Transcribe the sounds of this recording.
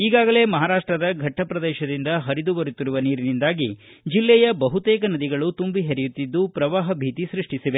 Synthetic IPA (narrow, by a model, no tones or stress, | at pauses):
iːɡaːɡɐle̞ːmɐɦaːɾaːʂʈɾɐd̪ɐɡʱɐʈʰːɐpɾɐd̪ɛːʃɐd̪ind̪ɐɦɐɾid̪uʋɐɾut̪ːiɾuʋɐniːɾinind̪aːɡi | d͡ʒilːɛjɐbɐɦut̪ɛːkɐnɐd̪iɡɐɭut̪umbiɦeɾɛjut̪ːid̪ːupɾɐʋaːɦɐbʱiːt̪isɾiʂʈisiʋe̞